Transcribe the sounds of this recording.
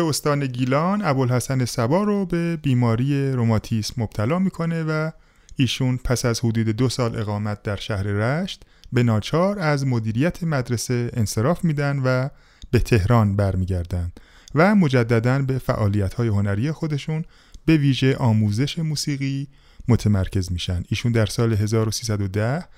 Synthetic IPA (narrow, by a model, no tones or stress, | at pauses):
eost̪ɒːne̞ɡiːlɒnæbolhæsæne̞sæbɒːɾobe̞biːmɒːɾiːje̞ɾo̞mɒːt̪ʰismob̥̚t̪ʰælɒːmiːkʰo̞ne̞væ | iːʃuːnpʰæsæzhod̪uːd̪e̞d̪o̞sɒːlʔe̞̰ɣɒːmæt̪̚d̪æɾʃæhɾe̞ɾæʃt̪be̞nɒːt͡ʃʰɒːɾæzmo̞d̪iːɾijæt̪ʰemæd̪ɾe̞se̞ense̞ɾɒːfmiːd̪ænd̪væ | be̞t̪ʰe̞hɾɒːnbæɾmiːɟæɾd̪ænd̪̥ | væmo̞d͡ʒæd̪ːæd̪ænbe̞fæ̰ʔɒːlijæt̪hɒːje̞ɦo̞næɾiːje̞xo̞d̪e̞ʃuːn | be̞viːʒe̞ʔɒːmuːze̞ʃe̞muːsiːɣiː | mo̞t̪ʰemæɾcʰe̞zmiːʃænd̪iːʃuːnd̪æɾsɒːle̞ɦe̞zɒːɾo̞siːs̬æd̪o̞d̪æh